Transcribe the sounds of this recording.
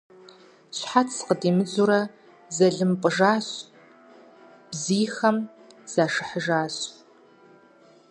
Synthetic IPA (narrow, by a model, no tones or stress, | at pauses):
ɕħatʰsqədiːmɨd͡zuɾɐ | zɐɮɨmpʷʼɨʒaːɕ | b̥ziːxɐm | z̥aːʂɨħəʒaːɕʼ